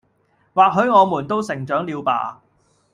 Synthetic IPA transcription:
waː˨k̚ɦɵ˨˧˥ɥŋɔː˨˧muː˨˩nt̪o˥wsɪ˨˩ŋt͡ʃœː˨˥ŋliː˨˧wpa̰ː˧

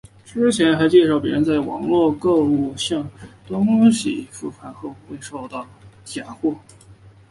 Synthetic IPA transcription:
ʈ͡ʂɻ̩˥t͡ɕʰjɛ˧˥nxa˧˥ɪt͡ɕjɛ˥˧ʂɑ˥˩ʊpjɛ˧˥ɻə˧˥nt͡sa˥˩ɪwɑ̰˨˩ŋlwɔ˥˧kɤ˥˧u˥˩ɕjɑ˥˩ŋt̪ʊ˥ŋɕḭ˨˩fu˥˩fʰa˧˥˩nxɤ˧˥˩xwe˥˧ɪʂo˥˧ʊt̪ɑ˥˩ʊt̪ʰja˨˩nxwɔ˥˩

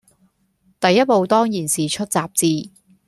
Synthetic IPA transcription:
t̪ɐ˨jːɐ˥t̚po˨˧wt̪ɔː˥ŋjiː˨˩nsiː˨˩t͡ʃʰɵ˥t̚t͡saː˨˧p̚t͡siː˧

